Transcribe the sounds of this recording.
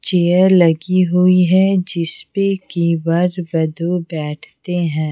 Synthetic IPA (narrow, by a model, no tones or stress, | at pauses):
t͡ʃeːəɾlɐɡiɦʊiɦɛ̃d͡ʒɪspekiʋɐɾbɐd̪obɛːʈʰt̪eɦɛ̃ː